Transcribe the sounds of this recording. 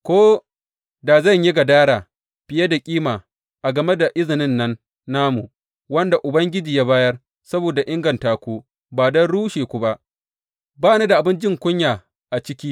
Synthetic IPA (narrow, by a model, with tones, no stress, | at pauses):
kʷoː˦ | da˨zɐ˦˨ɲji˦ɡa˨daː˦ɽaː˨ | ɸɪ˨je˦da˨kʲʼiː˦maː˨ | ʔa˨ɡɐ˨me˦da˨ʔɪ˦zɪ˨nɪ˦nːɐ˦nː | aː˦mu˨ | wɐ˦nda˨ʔʊ˨bɐ˦ŋɡʲɪ˦d͡ʒiː˨jaː˦baː˦jɐ˦r | sɐ˦boː˨da˨ʔɪ˦ŋɡɐ˨ntaː˨kʷuː˦ | baː˨dɐ˦nɽuː˦ʃeː˨kʷu˨ba˦ʔ | baː˦ne˦da˨ʔa˨bɪ˦nd͡ʒɪ˦˨ŋkʷʊ˦ɲjaː˨ | ʔa˨t͡ʃɪ˦kʲiː˦